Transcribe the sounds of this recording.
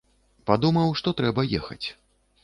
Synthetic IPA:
pad̪umɐwʂt̪ɔt̪ɾɛbɐjɛxɐ̰t͡sʲ

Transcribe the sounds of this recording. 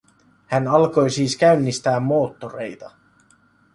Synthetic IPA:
hænɑlko̞jsiːskæɥnːist̪æːmːo̞ːt̪ːo̞re̞̰jt̪ɑ

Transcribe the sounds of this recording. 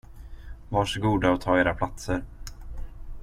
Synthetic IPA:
vaʂɔɡuːd̪aɔt̪ʰɑːeːɾapʰlat̪səɾ

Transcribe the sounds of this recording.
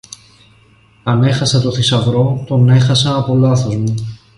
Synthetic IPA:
ɐne̞xɐsɐt̪oθisɐvɾo̞t̪o̞ne̞xɐsɐɐpo̞lɐθo̞zmu

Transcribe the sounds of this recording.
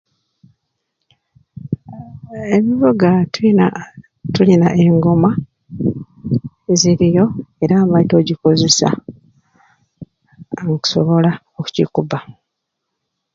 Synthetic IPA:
e̞βiβoɡa | tulinaʔe̞ŋɡo̞ma | eziɾijo̞e̞ɾaːmaito̞ɟiko̞ze̞sa̰ | ŋku̥soβo̞la | oku̥cikuba

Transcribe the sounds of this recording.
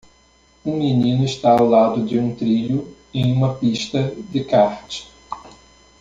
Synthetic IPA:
ũminĩnʊɪʃt̪aawlad̪ʊd͡ʒɪũt̪ɾiʎʊ | ẽj̃ũmɐpiʃt̪ɐd̪ɪkaɾt͡ʃɪ̥

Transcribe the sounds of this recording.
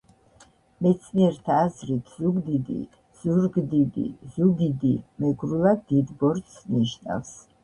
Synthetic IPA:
mɛt̪sʰniɛɾt̪ʰaːzɾit̪ʰz̥uɡd̪id̪ḭ | z̥uɾɡd̪id̪ḭzuɡid̪imɛɡɾulˠad̪id̪bɔɾt̪sniʃna̰fs

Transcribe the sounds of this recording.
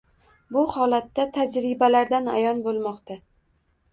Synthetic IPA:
bʊhɒlat̪ːat̪ʰad͡ʒɾɪbalaɾd̪ana̰jɒnbolˠmɒqt̪ʰa

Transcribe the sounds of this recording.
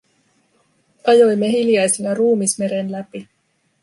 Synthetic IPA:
ɑjo̞jmːe̞ɦiljɑjsinɑruːmisme̞ɾe̞nlæpi

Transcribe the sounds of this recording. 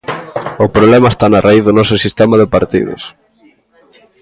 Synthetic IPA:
ʊpɾoβlemɐest̪anɐrʔaiððʊnɔsʊsist̪emɐðepaɾt̪ḭðo̰s

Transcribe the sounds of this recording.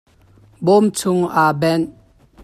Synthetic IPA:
bomt͡sʰʊŋabɛn

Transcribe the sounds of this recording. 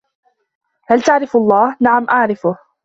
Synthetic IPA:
halt̪aʕɾɪfʔɑlˤːɑːhnaʕamʔaʕɾɪfʊh

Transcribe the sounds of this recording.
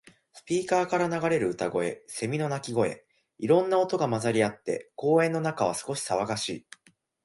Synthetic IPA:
sɨ̥pʲiːkaːkaɾanaɡaɾe̞ɾɯ̟ɯ̟t̪aɡo̞e̞̰se̞mʲino̞nakʲiɡo̞e̞̰ | iɾõ̞nːao̞t̪o̞ɡamazaɾʲiat̪ːe̞̰ko̞ːẽ̞nːo̞nakaβ̞asɨ̥ko̞ɕi̥saβaɡaɕḭː

